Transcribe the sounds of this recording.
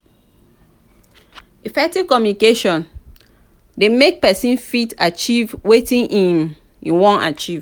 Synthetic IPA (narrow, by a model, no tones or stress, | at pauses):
ifɛk̚tiv̥kɔmjunikeʃɔ̃n | demek̚pɛsĩnfitat͡ʃivwetĩnʔĩm | jḭwɔ̃na̰t͡ʃiv̥